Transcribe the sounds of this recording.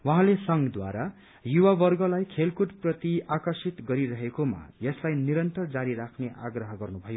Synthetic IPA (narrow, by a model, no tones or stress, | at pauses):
wʌɦãlesʌŋɡd̪wa̰ɾa | juwabʌrɡʌlajkʰelkuʈprʌt̪iakʌrsit̪ɡʌɾiɾʌɦekoma̰jʌslajniɾʌnt̪ʌrd͡zaɾiɾakʰneʔaɡrʌɦʌɡʌrnubʱʌjo